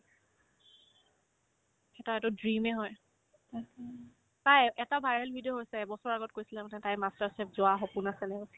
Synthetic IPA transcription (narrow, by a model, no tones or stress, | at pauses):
ɛtɔɛtʊdɹimɛɦɔj | tajɛtabʱajɹɛlbʱidioɦojsɛbɔsɔɹaɡɔt̚kojsilɛmanɛtajmastaɹsɛp̚zʊaxɔpunasɛnɛ